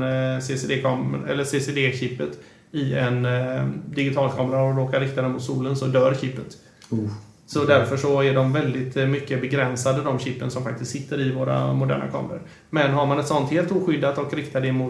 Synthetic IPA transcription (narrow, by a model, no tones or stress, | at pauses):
sesd̪eːkʰɑːmɛlːəseːsed̪eːɕɪpːət̪ | ɪɛn | d̪ɪɡɪt̪ʰɑːlkʰɑːmɾaɔɾoːkaɾɪk̚t̪ad̪ɛmʊt̪suːlənsɔd̪œːɾçɪpːət̪ | sɔd̪æɾfœʂɔæɖɔmvɛld̪ɪt̪mʏkːəbɛɡɾɛnsad̪əd̪ɔmɕɪpːənsɔmfak̚t̪ɪst̪sɪt̪ːəɾɪvoːɾa̰mʊd̪æ̰ːɳa̰kʰɑ̰ːməɾə̰ɾ | mɛnɦaɾmanɛt̪sɔnt̪heːlt̪uːɧʏd̪ːat̪ɔkɾɪkt̪aɖ̪ɛmʊ